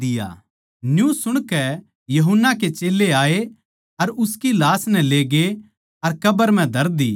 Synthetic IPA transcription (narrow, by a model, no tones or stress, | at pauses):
ɪja̰ː | njũːsʊɽ̃kɛ | jɐɦʊnːak̬et͡ʃeːlːeaːe | ɐɾʊskilaːsnɛ̃leːɡe | ɐɾkɐbəɾm̤ɛ̃d̪ʱɐɾd̪iː